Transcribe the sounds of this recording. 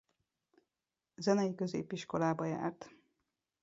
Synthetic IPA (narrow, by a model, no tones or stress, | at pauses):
zɛnɛjikø̞zḛːpiʃko̞laːbɒja̰ːrt̪